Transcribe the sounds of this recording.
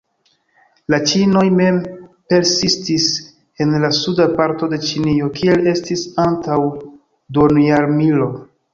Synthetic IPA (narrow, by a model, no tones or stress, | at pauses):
lat͡ʃino̞jme̞mpe̞ɾsistis | e̞nlasudapaɾto̞de̞t͡ʃinio̞kʰie̞le̞stisantaw | donjaɾmilo̞